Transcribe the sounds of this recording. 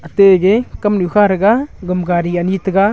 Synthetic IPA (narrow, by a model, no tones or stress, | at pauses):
əteɡekɐmnukʰaɾɡaɡəmɡaɾianitəɡa